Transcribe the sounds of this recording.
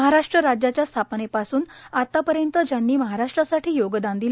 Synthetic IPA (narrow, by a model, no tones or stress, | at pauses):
ɦaɾaʂʈɾəɾad͡ʑjat͡ɕjast̪ʰapnepasuːnat̪ːapəɾjənt̪əd͡ʑjanːiːməɦaɾaʂʈɾasaʈʰiːjoɡd̪ãnd̪il